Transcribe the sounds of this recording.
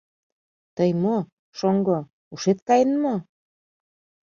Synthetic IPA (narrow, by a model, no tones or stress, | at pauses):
t̪əjmo | ʃoŋɡo | uʃet̪̚kɑjənmo